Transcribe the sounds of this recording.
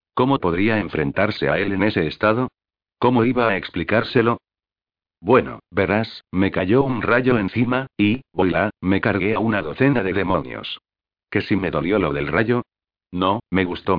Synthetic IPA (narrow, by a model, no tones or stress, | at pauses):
ko̞mo̞po̞ðɾiae̞ɱfɾe̞nt̪aɾse̞ae̞le̞ne̞se̞ːst̪aðo̞ | ko̞mo̞iβaːeksplikaɾse̞lo̞ | bwe̞no̰be̞ɾasme̞kaʝo̞unraʝo̞e̞nθimaibo̞jlame̞kaɾɣe̞aunaðoθe̞naðe̞ðe̞mo̞njo̰s | ke̞sime̞ðo̞ljo̞loðe̞lraʝo̞ | no̞me̞ɣust̪o̞